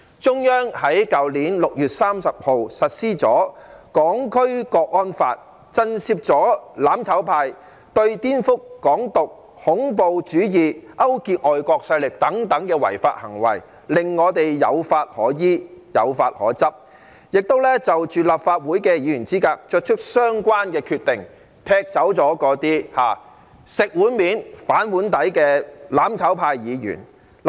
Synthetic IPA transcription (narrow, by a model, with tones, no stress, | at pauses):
t͡ʃʊ˥ŋjœː˥ŋhɐ˨˥jkɐ˨wliː˨˥nlʊ˨k̚jyː˨t̚saː˥msɐ˨p̚ho˨wsɐ˨t̚siː˥t͡sɔː˨˥kɔː˨˥ŋkʰɵ˥ɥkɔː˧k̚ɔː˥nfa̰ː˧t̚ | t͡sɐ˥nsiː˧p̚t͡ʃɔː˨˥laː˨˥mt͡sʰɐ˨˥wpʰaː˧j | t̪ɵ˧ɥt̪iː˥nfʊ˥kːɔː˨˥ŋt̪ʊ˨k̚ | hʊ˨˥ŋpo˨˧wt͡ʃyː˨˥jiː˨ʔɐ˥wkiː˧k̚ʔɔː˨jkɔː˧k̚sɐ˧jlɪ˨k̚t̪ɐ˨˥ŋt̪ɐ˨˥ŋkɛː˧wɐ̰˨˩jfaː˧t̚hɐ˨˩ŋwɐ̰˨˩j | lɪ˨ŋŋɔː˨˧t̪e˨jːɐ̰˨˧wfaː˧t̚hɔː˨˥jiː˥jɐ̰˨˧wfaː˧t̚hɔ̰ː˨˥t͡sɐ˥p̚ | jɪ˨k̚t̪o˥wlɛː˥t͡sɐ˨wt͡ʃyː˨laː˨p̚faː˧t̚wuː˨˥jkɛ˧jiː˨˧jyː˨˩nt͡siː˥kaː˧k̚t͡ʃœ˥˧t̚t͡ʃʰɵ˥k̚sœː˥ŋkʷaː˥nkɛː˧kʰyː˧t̪ɪ˨ŋ | t̪ʰɛː˧k̚t͡sɐ˨˥wt͡sɔː˨˥kɔː˧˥t̪iː˥haː˨˩ | sɪ˨k̚wuː˨˥nmiː˨˥nfaː˨˥nwuː˨˥nt̪ɐ˨˥jkɛː˧laː˨˥mt͡sʰɐ˨˥wpʰaː˧jːiː˨˧jy̰ː˨˩n